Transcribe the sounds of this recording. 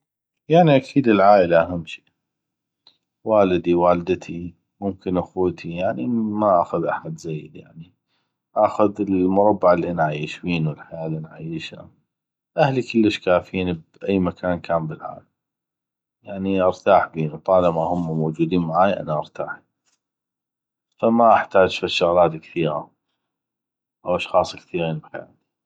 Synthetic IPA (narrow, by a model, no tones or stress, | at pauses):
jaʕniʔakʰiːd̪əlʕaːʔɪlaʔaɦamːʃi̥ː | waːlɪd̪iwaːld̪t̪ʰi | mʊmkɪnʔaxuːt̪ʰijaʕnimaʔaxʊðʔaħad̪zajːd̪ja̰ʕni | ʔaxʊðəlmʊɾˤɑbːaʕɪlːiʔanʕajiːʃbiːnwəlħajaːlːʔanʕa̰jɪʃa̰ | ʔahlikəlːəʃkaːfiːnbʔajːmakʰaːnkʰaːmbəlʕa̰ːlam | jaʕniʔɑɾˤt̪aːħbiːnut̪ˤɑːlamahʊmːmowd͡ʒuːd̪iːnmaʕaːjʔa̰naʔɑɾˤt̪aːħi | famaʔaħt̪aːd͡ʒfaʃːʊɣlaːt̪kθiːɣa̰ | ʔawʔɑʃxɑːsˤkθiːɣiːnbħa̰ja̰ːt̪i̥